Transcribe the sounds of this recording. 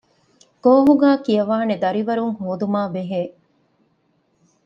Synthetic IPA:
ɡ̥oːɦuɡæːkiɐʋaːned̪ɐɾiʋɐɾuŋhoːd̪umaːbeɦeː

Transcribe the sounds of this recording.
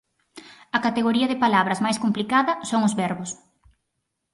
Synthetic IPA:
ɐkat̪eɣoɾiɐðɪpalaβɾɐzmajskomplikaðɐsoŋʊzβɛɾβʊs

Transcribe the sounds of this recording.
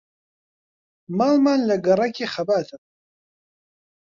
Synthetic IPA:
malmanlaɡarakʲʰʼiχabat̪ʰapʼ

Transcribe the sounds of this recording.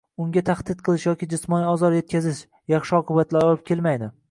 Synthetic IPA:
ʊŋɡʲat̪ʰaχd̪̥ɪt̪̚qʰɨlˠɪʃjɒkʲɪd͡ʒʊsmɒniɒzɒɾje̞t̪̚kʲʰazɪʃ | jɑχʃɪɒqʰʊbat̪laɾɒlˠɪp̚kʲʰe̞lmajd̪ɪ

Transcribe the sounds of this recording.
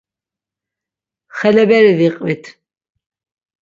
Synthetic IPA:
χɛlɛbɛɾiviqʼvit̪ʰ

